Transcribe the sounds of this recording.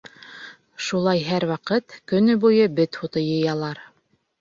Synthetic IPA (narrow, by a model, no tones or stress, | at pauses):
ʃulˠɑjɦæɾwɑqɤt̪kɵ̆nɵbujɤbɘt̪hut̪ɤ̆jɤ̆jɑlˠɑɾ